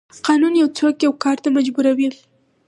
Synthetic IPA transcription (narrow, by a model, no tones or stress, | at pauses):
qɑnunjawt͡sokjawkɑɾt̪amad͡ʒbuɾawi